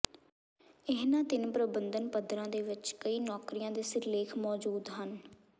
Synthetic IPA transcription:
ɪɦnãːt̪ɪnpɾəbənd̪ənpəd̪ɾãːd̪eːʋɪt͡ʃkəiːnɔːkɾijãːd̪eːsɪɾleːkʰmɔːd͡ʒuːd̪ɦən

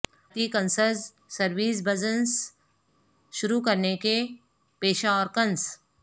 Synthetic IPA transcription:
t̪ikə̃nsəɾz | səɾʋiːs̬bəd͡ʒəns | ʃʊɾukɐɾneke | peːʃaɔːɾkɐns

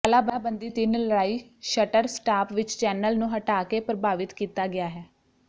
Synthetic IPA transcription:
kəlaːbaːbənd̪iːt̪ɪnləɽaːiːʃəʈəɾsʈaːpʋɪt͡ʃt͡ʃɛːnəlnũːɦəʈaːkeːpɾəbaːʋɪt̪kiːt̪aːɡɪaːɦɛː

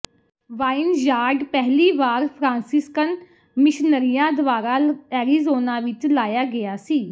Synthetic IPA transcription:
ʋaːɪnd͡ʒaːɾɖpɛɦliːʋaːɾpʰɾãːnsɪskən | mɪʃnəɾijãːd̪ʊʋaːɾaːɛːɾiːzoːnãːʋɪt͡ʃlaːjaːɡɪjaːsiː

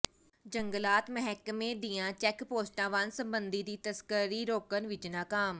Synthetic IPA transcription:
d͡ʒəŋɡəlaːt̪məɦɛːkmẽːd̪iːãːt͡ʃɛːkpoːsʈãːʋansə̃mbənd̪iːd̪iːt̪əskəɾiːɾoːkənʋɪt͡ʃnaːkaːm

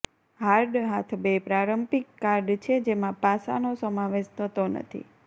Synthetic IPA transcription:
ɦaɾɖɦat̪ʰbepɾaɾəmpikːaɾɖt͡ʃʰed͡ʒemãpasa̰nosəmaʋeʃt̪ʰət̪onə̰t̪ʰḭ

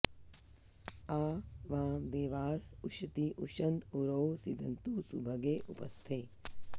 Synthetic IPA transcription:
aːʋaːmd̪eːʋaːsuʃɐt̪iʔuʃɐnd̪uɾowsid̪ʱɐnt̪usubʱɐɡeːʔṵpɐ̰st̪ʰeː

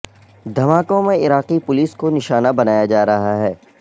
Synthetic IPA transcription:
d̪ʱɐmaːkõmẽɪɾaːqipʊliːskonɪʃaːnabɐnaːjad͡ʒaːɾɐɦaɦɛː

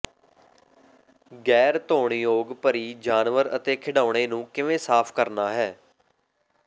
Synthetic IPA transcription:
ɡɛːɾt̪oːɳ̃iːjoːɡpəɾiːd͡ʒaːnʋəɾə̰t̪eːkʰɪɽaːʊɽ̃eːnũːkɪʋẽːsaːpʰkəɾnaːɦɛː

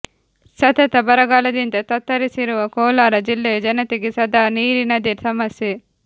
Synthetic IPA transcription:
sɐt̪ɐt̪ɐbɐɾɐɡaːlɐd̪int̪ɐt̪ɐt̪ːɐɾisiɾuʋɐkɔːlaːɾɐd͡ʒilːeːd͡ʒɐnɐt̪iɡisɐd̪aːniːɾinɐd̪iɾsɐmɐsje

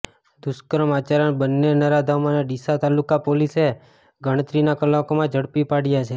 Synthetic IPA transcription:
d̪ʊskəɾəmat͡ʃaɾəɳbənːenəɾad̪ʱamaneɖ̪isat̪alːukapolise | ɡʱəɽ̃ət̪ɾinakəlːakomãd͡ʒʱəɽpipaɽijat͡ʃʰe

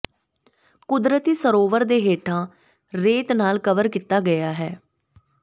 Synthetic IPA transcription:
kʊd̪ɾət̪iːsəɾoːʋəɾd̪eːɦeːʈʰãː | ɾeːt̪naːlkəʋəɾkit̪aːɡəjaːɦɛː

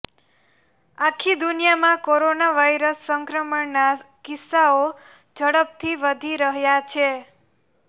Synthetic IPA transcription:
akʰːid̪unijamãkoɾonaʋajɾəsːəŋkɾəməɳnakɪsːao | d͡ʒəɽəp̚t̪ʰiʋəd̪ʱiɾəɦjat͡ʃʰe

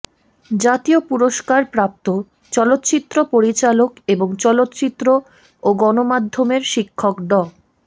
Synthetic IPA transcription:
d͡ʑat̪iopuɾoʃkaɾpɾap̚t̪o | t͡ɕɔlot̪ːt͡ɕit̪ːɾopoɾit͡ɕalokeboŋt͡ɕɔlot̪ːt͡ɕit̪ːɾo | oɡɔnomad̪ʱːomeɾʃikʰːokɖɔ

